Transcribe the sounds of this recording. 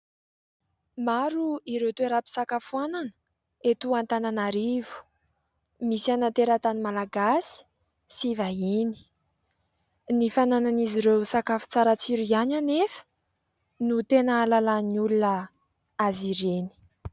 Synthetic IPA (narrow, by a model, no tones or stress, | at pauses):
maɾuiɾewt̪ueɾapi̥sakafuananə̥ | et̪uant̪ananaɾivu̥ | misianant̪eɾat̪animalaɡasi̥ | sivaini̥ | nifanananiziɾewsakafu̥t͡saɾət͡siɾiananefə̥ | nut̪enəːlalaniulunə | aziɾeni̥